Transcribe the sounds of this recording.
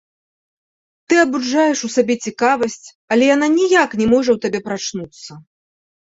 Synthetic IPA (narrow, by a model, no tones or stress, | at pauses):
t̪ɨɐbud͡ʐajɛʂusabʲɛt͡sʲikavɐsʲt͡sʲ | ɐlʲɛjananʲijaknʲɛmɔʐɐwt̪abʲɛpɾat͡ʂnut̪sːɐ